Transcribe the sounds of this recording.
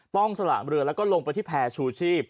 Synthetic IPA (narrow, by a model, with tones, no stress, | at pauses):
t̪ɔ˥˩ŋsa˧la̰ː˨˩ɾɯ˧əlɛ˦˥wkɔː˥˩lo˧ŋpa˧jt̪ʰiː˥˩pʰɛː˧t͡ɕʰuː˧t͡ɕʰiː˥˩p̚